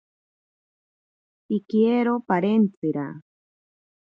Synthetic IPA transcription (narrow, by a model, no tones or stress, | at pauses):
ikjeɾopaɾent͡siɾa̰